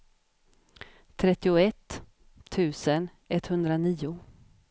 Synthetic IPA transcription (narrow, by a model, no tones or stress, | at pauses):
t̪ʰɾɛt̪ːɪʊɛt̪ʰː | ʉ̟ːsən | ɛt̪hɵnd̪ɾaniːʊ